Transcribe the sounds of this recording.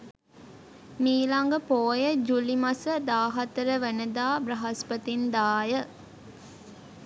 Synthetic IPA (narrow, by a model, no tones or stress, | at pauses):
miːlaŋɡəpoːjəd͡ʒulimɐsəd̪aːɦɐt̪əɾəʋænəd̪aːbɾɐɦɐspɐt̪ind̪aːjə